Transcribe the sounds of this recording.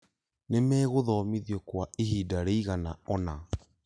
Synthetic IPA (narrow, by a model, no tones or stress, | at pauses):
nemɛːɣoðɔmiðjokwaʔeɦiːdaɾeiɣanaɔna